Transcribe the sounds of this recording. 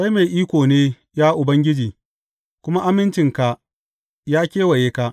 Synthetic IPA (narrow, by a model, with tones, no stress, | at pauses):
sa˦jme˨jʔiː˦kʷoː˨neː˦ | jaː˦ʔʊ˨bɐ˦ŋɡʲɪ˦d͡ʒiː˨ | kʷʊ˦ma˦ʔa˦mɪ˦nt͡ʃɪ˨ŋka˨ | jaː˦kʲeː˦wɐ˨jeː˦ka˦ʔ